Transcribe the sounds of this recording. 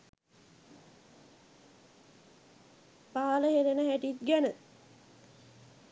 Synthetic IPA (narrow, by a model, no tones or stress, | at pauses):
paːləɦeɾenəɦæʈit̪̚ɡænə